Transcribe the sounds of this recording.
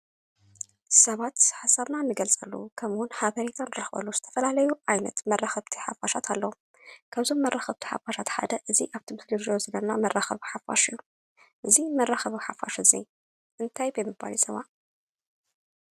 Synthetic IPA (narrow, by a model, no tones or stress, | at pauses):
sɐβat̪ħasaβnanːɨɡɐlt͡sʼɐlːṵkʰɐmɨwʊnħaβɐɾet̪ʰanɾɐxbɐ̰luz̥ɨt̪ʰɐ̥fɐlalɐjuʔajnɐ̰t̪mɐrːaxɐβt̪ʰi̥ħa̰faʃat̪ʰalːɐwu | kʰaβzo̞mːɐrʔaxɐβt̪ʰi̥ħa̰faʃat̪ħa̰d̪ɐʔɨziʔaβt̪ʰimt̪ʰoloʒijozɐlɐnamɐrːaxɐ̰βħafa̰ʃɨjːu | ʔɨzimɐrːaxɐβɨħafa̰ʃɨzḭ | ʔɨnt̪ʰajbɐjmɨba̰lisɐβa